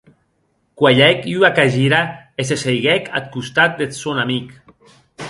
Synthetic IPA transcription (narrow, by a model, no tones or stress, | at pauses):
kwaʎɛkyakaʒiɾaes̬esejɣɛka̰t̪̚kust̪at̪̚d̪et̪sonamik